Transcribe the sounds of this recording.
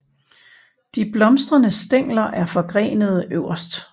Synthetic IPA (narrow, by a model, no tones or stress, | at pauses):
d̥ib̥lɒ̽msd̥ʁɐnəsd̥eŋ̰lɐʔæɐfɒ̽ɡ̥ʁɛ̰ːnəð̞ˠəʔøʊ̰ɐsd̥